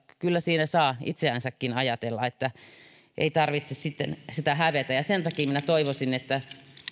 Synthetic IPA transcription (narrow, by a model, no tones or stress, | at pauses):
kylːæsiːnæsɑːḭt̪seænsækːinɑjɑt̪elːɑet̪ːæ | ʔḛit̪ɑrʋit̪sessit̪ːensit̪æhæʋet̪æjɑsent̪ɑkiːminæt̪oiʋosinet̪ːæ